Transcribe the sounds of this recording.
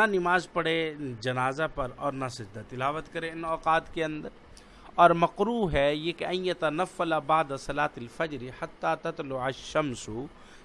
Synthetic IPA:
nanɪmaːzpɐɽed͡ʒɐnaːzapɐɾɔːɾnɐsɪd͡ʒd̪at̪ɪlaːʋət̪kɐɾẽɪnɔːqaːt̪keɐ̃nd̪əɾ | ɔːɾmɐqɾuːɦɛjekɐ̃jjɐt̪ɐnɐfːɐlabaʕd̪asɐlaːt̪ɐlfɐd͡ʒɾiħat̪ːaːt̪ɐt̪lʊʕɐʃɐmsʊ

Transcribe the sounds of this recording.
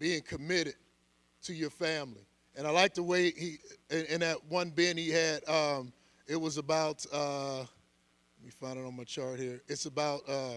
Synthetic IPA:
b̥iɪ̃ŋkʰɨmɪɾɨd̥̚ | tʰɨjə˞fæ̃mli | ɨ̃ñaɪlaɪk̚ðəweɪhiɨɨ̃nðɨt̚wʌ̃nbɪ̃niɨɾʌ̃m | ɪt̚wʌzəbaʊɾʌ | mifãɪ̃nɨɾn̩maɪt͡ʃʰɑɹt̚hiɹɨtsəbaʊt̚ʌ

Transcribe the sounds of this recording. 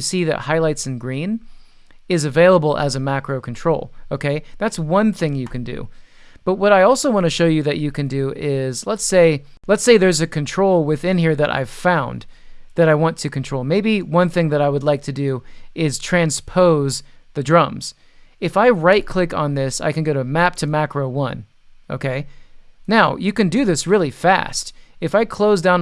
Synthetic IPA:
ɨsiðɨ̰t̚haɪlaɪtsn̩ɡɹĩn | ɪzɨveɪlˠəbl̩ˠə̰zɨmækɹoʊkʰn̩tʰɹ̥oʊlˠoʊkʰeɪðætswʌ̃nθɪ̃ŋjɨkʰɨ̃ndʉ̰ | b̥ʌt̚wʌɾaɪɔlˠsoʊwɑ̃ñɨʃoʊjɨðɨt͡ʃɨkɨ̃ndʉɪzlətseɪ | lətseɪðə˞zɨkʰɨ̃ntʰɹ̥oʊlˠwɪθɪ̃nhiɹðɨɾʔa̰ɪv̥fãʊ̃nðɨɾaɪwɑ̃ntʰɨkʰɨ̃ntʰɹ̥oʊlˠmeɪbiwʌ̃nθɪ̃ŋðɨɾaɪwədˡlaɪk̚tʰɨdʉɪz̥tʰɹ̥æ̃nspʰoʊzðɨdɹʌ̃mz̥ | ɨfaɪɹaɪt̚kʰl̥ɪkn̩ðɪsa̰ɪkɨ̃n̩ɡɛɾɨmæp̚tʰɨmækɹoʊwʌ̰̃n | oʊkʰeɪnaʊjɨkɨ̃ndɨðɪsɹɪlˠifæ̰stɨfaɪkʰl̥oʊzdãʊ̃n

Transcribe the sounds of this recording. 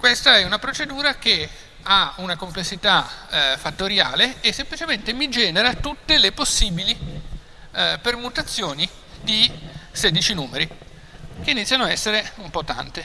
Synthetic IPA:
kwest̪aɛunapɾot͡ʃed̪uːɾake | aunakomplesːit̪afat̪ːoɾja̰ːleːsːemplit͡ʃement̪emid͡ʒɛːneɾat̪ut̪ːeleposːiːbili | permut̪at̪sːjoːni | d̪isɛːd̪it͡ʃinuːmeɾi | k̟einit̪sʲːjanoaɛsːeɾeumpɔt̪ːa̰nt̪e

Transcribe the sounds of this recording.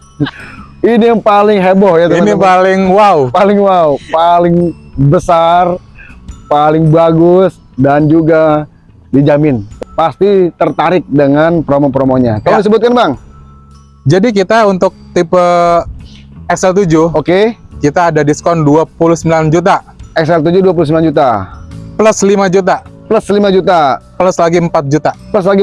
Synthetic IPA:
inijaŋpalɪŋɦebɔhjat̪uinipalɪŋwaupalɪŋwaupalɪŋbəsar | palɪŋbaɡʊs | dand͡ʒuɡa | did͡ʒamɪnpast̪it̪ərt̪aɾɪk̚dəŋanpɾomopɾomoɲakaladis̬əbʊt̪̚kanbaŋ | d͡ʒadik̬it̪aunt̪ʊk̚t̪ipə | ɛksɛlt̪̬ud͡ʒʊokekit̪aːdadiskɔnduapulʊhsəmbiland͡ʒut̪̬aɛks̬ɛlt̪̬ud͡ʒuduap̬ulusəmbiland͡ʒut̪apələslimad͡ʒut̪apləslimad͡ʒut̪apələslaɡiəmpat̪̚d͡ʒut̪apləslaɡi

